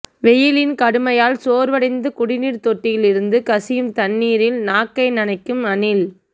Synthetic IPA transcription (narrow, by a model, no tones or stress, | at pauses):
ʋɛjɪlɪnkɐɽɯmɐjaːlsoːɾʋɐɽɐɪnd̪ɯkʊɽɪniːɾt̪ɔʈːɪjɪlɪɾɯnd̪ɯkɐsɪjɯmt̪ɐnːiːɾɪlnaːkːɐɪnɐnɐɪkːɯmɐnɪl